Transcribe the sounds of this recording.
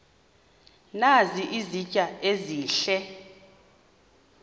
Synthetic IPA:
naziʔizicʼaeziːɬɛ

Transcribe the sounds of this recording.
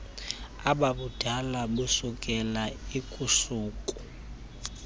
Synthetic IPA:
ababʊd̥ʱalabusʊkʼɛlaikʼusuːkʼu̥

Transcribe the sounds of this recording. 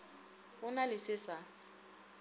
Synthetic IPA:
ɣʊnalɪsɪsa

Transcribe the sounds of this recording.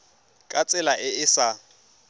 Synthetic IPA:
kʼat͡sʼɪlaʔɪɪsa

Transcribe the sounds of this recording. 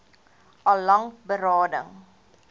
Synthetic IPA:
ʔɐlːɐŋbəɾɑːdəŋ

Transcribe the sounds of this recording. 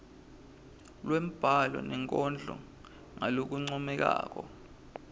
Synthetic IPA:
lwem̩b̥ʱalɔ̰nɛŋkʼɔnd͡ɮʱɔ̰ | ŋalok̬uŋ͡ǀɔmɛk̬a̰ːk̬ɔ

